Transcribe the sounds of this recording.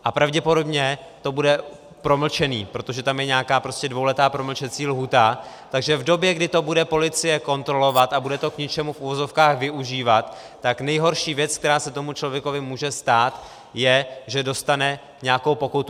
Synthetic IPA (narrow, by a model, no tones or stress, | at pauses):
ʔapɾavɟɛpo̞do̞bɲɛt̪o̞budɛ | pɾo̞ml̩t͡ʃɛnḭːpɾo̞t̪oʒɛt̪amjɛɲɛakaːpɾo̞scɛdvo̞wlɛt̪aːpɾo̞ml̩t͡ʃɛt͡siːlɦuːt̪a | t̪aɡʒɛvdo̞bjɛɡdɪt̪o̞budɛpo̞lɪt͡sɪjɛko̞nt̪ɾo̞lo̞vat̪abudɛt̪o̞kɲɪt͡ʃɛmufuvozo̞fkaːxvɪʔuʒiːvat̪ː | aknɛjɦo̞ɾʃiːvjɛt͡skt̪ɛɾaːsɛt̪o̞mut͡ʃlo̞vjɛko̞vɪmuːʒɛst̪aːt̪ | jɛʒɛdo̞st̪anɛ | ɲɛakowpo̞kut̪u